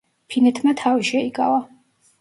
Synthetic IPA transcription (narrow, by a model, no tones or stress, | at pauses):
pʰinɛt̪ʰmat̪ʰaviʃɛikʼa̰va